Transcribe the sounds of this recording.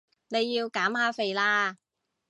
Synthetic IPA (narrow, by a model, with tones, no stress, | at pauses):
ne˨˧jːiː˧wkaː˨˥mhaː˨˧fe˨˧jlaː˧